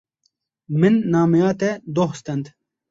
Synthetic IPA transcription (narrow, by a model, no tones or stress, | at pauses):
mɨnːaːmɛjaːt̪ɛd̪oɦst̪ɛnd̪